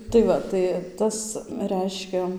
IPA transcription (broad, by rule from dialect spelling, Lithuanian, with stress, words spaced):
tɐɪ ˈʋɐ tɐɪ ˈtɐs ˈrʲɛɪʃʲkʲɛ